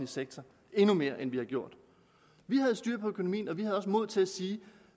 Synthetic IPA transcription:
liseɡ̥̚t͡sʰɐ | e̝nume̝ːɐʔenʋihɑ̈ɡ̥jo̝ɐ̰d̥ | ʋiɦæð̞̩ˠsd̥yɐ̰pʰɒ̽økʰo̝no̝mḭːnɒ̽ʋihæð̩ˠɒ̽s̬mo̝ð̰ˠt͡sʰe̝læsiː

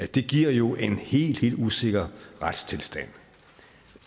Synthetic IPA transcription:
æd̥e̝ɡ̥iɐ̰jo̝ʔe̝nhe̝̰ːld̥he̝̰ːld̥use̝ɡ̥ɐʁad̥st͡sʰe̝lsd̥æn̰

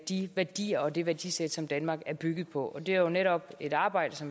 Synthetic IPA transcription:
d̥iʋæɐd̥ḭːɐɒ̽d̥e̝ʋæɐd̥ḭːsed̥sɒ̽md̥ænmɑ̈ːɡ̥æɐb̥yɡ̥ð̞̩ˠpʰɒ̽ʔɒd̥e̝æɐjo̝neɾɒ̽b̥e̝ɾ̥ɑ̈ːb̥ɑ̈ɪ̰d̥əsɒ̽m

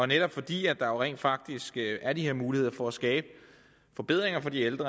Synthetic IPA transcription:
ɒ̽neɾ̥ɒ̽b̥fɒ̽d̥ḭːæ̥ɑ̈jo̝ʁɛ̰ːnd̥fɑ̈ɡ̥̚d̥isɡ̥æɐd̥ihe̝ɐ̰muːlihe̝ð̰ˠɐfɒæsɡ̥ɛːb̥ə | fɒ̽b̥e̝ð̞̰ˠʁeŋɐfɒ̽d̥ield̥ʁɐ

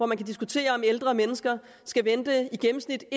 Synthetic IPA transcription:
ɒmænkʰæd̥isɡ̥ut͡sʰe̝̰ːɐɒ̽meld̥ʁɐmenəsɡ̥ɐ | sɡ̥æʋend̥əiɡ̥emm̩snid̥

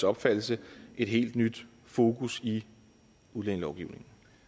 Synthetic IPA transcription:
sɒ̽b̥fæd̥̰l̩səʔe̝d̥ɦe̝̰ːld̥nyd̥ | fo̝ːkʰusi | uð̞ˠleŋəlɒʊɡ̥iʊne̝ŋn̩

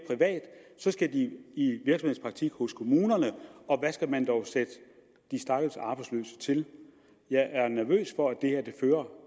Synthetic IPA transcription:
pʰʁiʋɛ̰ːd̥sɒ̽sɡ̥æd̥iiʋiɐ̥sɒmhe̝spʰʁɑ̈ɡ̥̚t͡sʰiɡ̥hɔ̽skʰo̝muːnɐnəɒ̽ʋæsɡ̥æmænd̥ɒʊsed̥ə | d̥isd̥ɑ̈ɡ̥əsɑ̈b̥ɑ̈ɪslø̰ːsə̥t͡sʰe̝l | jɑ̈ɪʔæɐnæɐʋø̰ːsfɒ̽æd̥e̝heɐ̰d̥e̝føːɐ

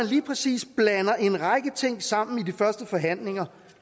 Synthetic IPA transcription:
ænliːpʰʁɛsḭːsb̥lænɐʔe̝nʁɑ̈ɪɡ̥ət͡sʰe̝ŋ̰sɑ̈m̰n̩idifɶɐsd̥əfɒ̽ɦæn̰le̝ŋɐ

